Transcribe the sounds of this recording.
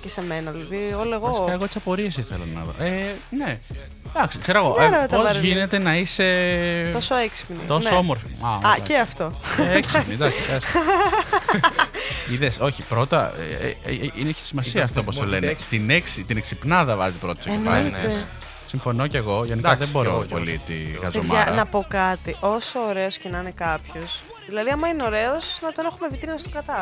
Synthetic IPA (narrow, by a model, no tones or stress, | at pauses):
cesemenɐðilɐðioleɣɐosikɐɣo̞t̪isɐpo̞ɾies̬iθelɐ̰nɐ̰ðo̰ʔene̞ | d̪ɐksi̥kseɾɐɣoʔɾetp̪ozʝine̞t̪e̞nɐise̞osoeksi̥pnḭt̪o̞soomoɾfiɐɐceɐft̪oekspnid̪ɐksiɐs | iðeso̞çipɾo̞t̪ɐ̰eeeineeçi̥simɐsiɐft̪opost̪olenet̪ineksit̪ine̞ksipnɐðɐvɐzipɾo̞t̪ɐseinpɐ̰ns | siɱfono̞ceɣo̞ʝeniɐðebo̞ɾopo̞̰lit̪iɣɐzomɐɾɐnɐpo̞kɐt̪iʔo̞soːɾe̞oscenɐne̞kɐpços | ðilɐðiɐmɐineo̞ɾe̞osnɐt̪o̞ne̞xumevit̪ɾinɐst̪okɐt̪ɐ